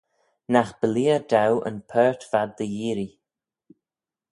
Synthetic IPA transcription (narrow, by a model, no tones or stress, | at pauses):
naxb̥əliːədawʔə̰npʰɜːɹtv̥ad̪ːəjiːɾi